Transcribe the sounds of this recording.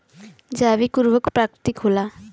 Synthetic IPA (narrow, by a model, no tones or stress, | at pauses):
d͡ʒabikuɾbɔkpɾakɾit̪ikɦola